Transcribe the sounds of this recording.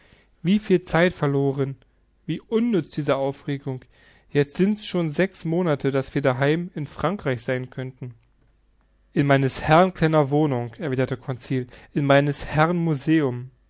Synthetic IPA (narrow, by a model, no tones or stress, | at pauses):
v̥iːfiːlt͡saɪtfɛɐloːʁ̞ən | viːʔʊnːʏt͡sd̥iːzəʔaʊfʁeːɡʊŋ | jɛt͡stz̥ɪntsʃoːnzɛksmoːnatʰədasv̥iːɐdaɦaɪmɪnfʁ̥aŋkʁ̥aɪçz̥aɪnkʰœntn̩ | ʔɪnmaɪnəshɛʁnkʰl̥ɛnɐvoːnʊŋʔɛɐviːdɐtəkʰɔnt͡siːlʔɪnmaɪnəshɛʁənmuzeːʊm